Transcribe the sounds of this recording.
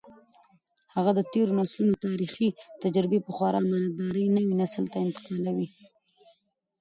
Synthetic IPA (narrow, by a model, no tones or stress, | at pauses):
haɣad̪ət̪eɾonɑslunot̪ɑɾixit̪ad͡ʒɾɪbepəxwɑɾɑmɑnad̪ɑɾəjnəwinaslt̪aɪnt̪ɪ̥qɑlawi